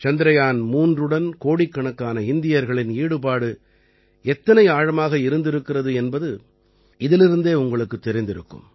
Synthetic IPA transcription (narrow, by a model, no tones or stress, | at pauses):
t͡ʃɐnd̪ɪɾɐjaːnmuːndrɯɽɐnkoːɽikːɐɳɐkːaːnɐɪnd̪ɪjɐɾɣɐɭɪniːɽɯpaːɽɯ | ɛt̪ːɐnɐɪaːɻɐmaːɣɐɪɾɯnd̪ɪɾɯkːɪrɐðɯɛnbɐðɯ | ɪðɪlɪɾɯnd̪eːʊŋɡɐɭɯkːɯt̪ːɛɾɪnd̪ɪɾɯ̰kːɯ̰m